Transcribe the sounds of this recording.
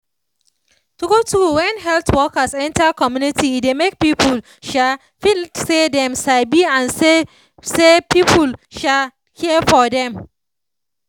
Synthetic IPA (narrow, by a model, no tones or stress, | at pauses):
tuɡotʰuwɛ̃nɦɛltwɔkəsɛ̃ntakɔmjunitʰiːdemek̚pipʰul | ʃa | fisedɛ̃msabiãnse | sepipʰulʃal | hiəfɔdɛ̃m